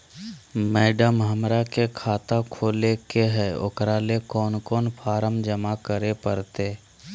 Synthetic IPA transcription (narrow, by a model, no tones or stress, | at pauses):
mɛːɖəmɦəmɾakekʰaːt̪akʰoːlekeɦɛʊ̰kɾalekɔːnkɔːnpʰaːɾəmd͡ʒəmakəɾepəɾt̪eː